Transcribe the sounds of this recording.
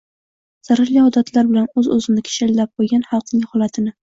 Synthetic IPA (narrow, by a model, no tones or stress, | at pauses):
z̥aɾaɾliɒd̪at̪ʰlaɾbɪlanɵzɵzɪnɪkʲʰe̥ʃalːap̚qojɡʲanhɑlˠq̚nɪŋhɒlˠat̪ʰɪnɪ